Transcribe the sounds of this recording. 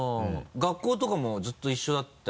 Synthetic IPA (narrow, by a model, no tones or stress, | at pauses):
oɡakːo̞ːt̪o̞kamo̞zɨt̪ːo̞iɕːo̞d̪at̪ː